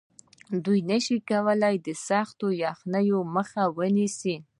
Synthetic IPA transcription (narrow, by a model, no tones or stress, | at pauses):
d̪ujnəʃikawəlajd̪əsɑxt̪ojɑxnəjoməxawənisi